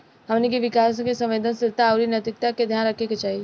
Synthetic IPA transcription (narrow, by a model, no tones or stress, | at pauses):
ɦɐmnek̬iʋɪkaːskesɐ̃mʋeːd̪ənsɪɾt̪aːʊɾinɐt̪ɪk̚t̪aked̪ʱjaːnɾɐkʰeket͡ʃaːɦi